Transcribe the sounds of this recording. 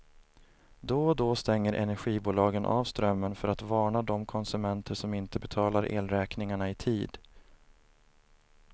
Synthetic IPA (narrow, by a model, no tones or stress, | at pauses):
d̪ɔd̪ost̪ɛŋːəɾʔɛ̰næɾɧiːbuːlɑːɡənʔa̰ːvst̪ɾœmːənfœɾat̪vɑːɳad̪ɔmkʰɔnsɵmɛnt̪ʰəʂɔmɪnt̪əbɛt̪ʰɑːlaɾʔḛːlɾɛːknɪŋaɳaɪt̪ʰiːd̪